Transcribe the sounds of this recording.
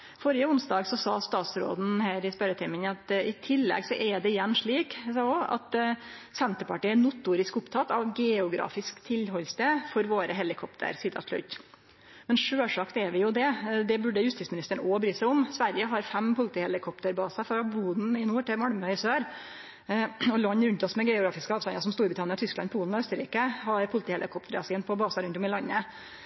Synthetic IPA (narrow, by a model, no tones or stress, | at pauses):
fɔɾjəʊnsd̪ɑːɡsɔsɑːst̪ɑːt̪sɾo̰ːd̪n̩hæːɾɪspœɾət̪ʰɪmənɑt̪ɪt̪ʰɪlːɛ̰ɡsɔʔɛɖ̪ɛɪjɛnːʂɭiːkhsɑːɔɑ̰t̪ | sɛnt̪əpɑʈiːɛnʊt̪ːuːɾɪskʊpt̪ʰɑt̪ːɑʋɡɛʊɡɾɑ̰ːfɪskt̪ʰɪlhɔlst̪efɔɾʋoːɾəɦɛlɪkʰɔpt̪ʰə̰ɾsɪd̪ʰɑ̰ʂlʉ̰t̪ | mɛnʂøːʂɑkt̪ɛɾʋɪjʊd̪ɛd̪ɛbʉɖəjʉst̪iːtsmɪnɪst̪əɳɔbɾyːsæɪʊmsʋæɾjəɦɑɾfɛmpʊlt̪iːhɛlɪkʰɔp̚t̪əɾbɑːsɑfɾɑbuːd̪n̩ɪnuːʈɪmɑlmœɪsøːɾ | ɔlɑɲːɾʉnt̪ɔsmɛɡɛʊɡɾɑːfɪskəɑːʋst̪ɑnɑsɔmst̪uːɾbɾɪt̪ɑnəɔt̪ʰʏsklɑ̰npʰuːln̩ɔœst̪əɾḭːkəhɑɾpʰʊlɪt̪iːhɛlʔɪ̰kʰɔpt̪əɾɑsɪːnpʰɔbɑːsɑɾʉnt̪ɔmɪlɑnːə